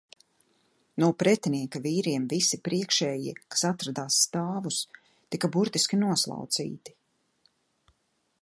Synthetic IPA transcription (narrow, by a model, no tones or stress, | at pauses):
nuɔpɾɛt̪ʲiniɛkaviːɾiɛmvisipɾiɛkʃɛːjḭɛkḁsat̪ɾad̪aːsːt̪aːvus | t̪ikabuɾt̪iskʲinuɔslˠa̰wt̪sḭːt̪i̥